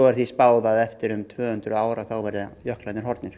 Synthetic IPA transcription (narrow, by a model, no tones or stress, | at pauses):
ɔɣɛɾ̥θispaːwðaðɛft̪ɪɾʏmt̪ʰvœːhʏnt̪ɾʏaːwɾaθawvɛɾðɪjœhklajnɪɾɦɔɾt̪nɪɾ̥